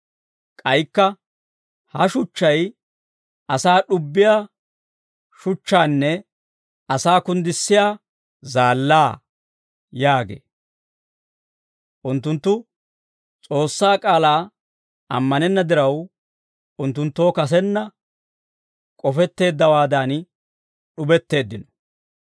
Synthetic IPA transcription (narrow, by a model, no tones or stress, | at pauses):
kʼɐjkːɐ | hɐʃʊt͡ʃːɐj | ʔɐsaːɗʊbːɪjaː | ʃʊt͡ʃːaːnːɛ | ɐsaːkʊnd̪ɪsːɪjaː | zaːlːaː | jaːɡḛː | ʔʊnt̪ːʊnt̪ːʊ | t͡sʼo̞ːsːaːkʼaːlaː | ʔɐ̰mːɐnɛnːɐd̪ɪɾɐw | ʊnt̪ːʊnt̪ːo̞ːkɐs̬ɛnːɐ | kʼɔfɛt̪ːe̞ːd̪ːɐwaːd̪aːn | ɗʊbɛt̪ːe̞ːd̪ːɪnɔ̥